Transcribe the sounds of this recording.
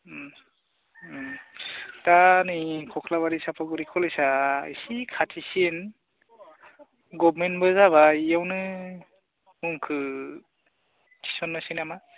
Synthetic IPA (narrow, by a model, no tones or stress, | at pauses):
tanikʰɔkʰlaβaɾisapʰɔɡɯɾikʰɔlɔjsaḭsikʰatʰisin | ɡɔbmenbɯzaβaijawnɯ | mɯŋkʰɯ | kʰi̥sɔnːɯsinama